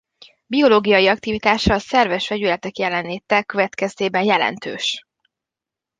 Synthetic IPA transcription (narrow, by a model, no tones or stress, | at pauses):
bio̞loːɡijɒjiɒk̚t̪ivit̪aːʃɒːsɛrvɛʃfɛɟylɛt̪ɛkjɛlɛnleːt̪ːɛkøvɛt̪kɛst̪eːbɛnjɛlɛ̰nt̪ø̰ːʃ